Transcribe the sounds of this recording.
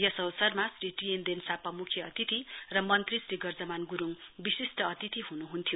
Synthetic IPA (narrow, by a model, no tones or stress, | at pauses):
jʌsʌwsʌrmasriʈijend̪ensapʌmukʰjʌʌt̪it̪irʌmʌnt̪risɾiɡʌrd͡zʌmanɡuɾuŋbisisʈʌʌt̪it̪iɦunuɦunt̪ʰijo